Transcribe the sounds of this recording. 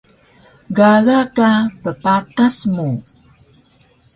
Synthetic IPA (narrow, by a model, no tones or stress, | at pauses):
ɡaɣakapəpatasmu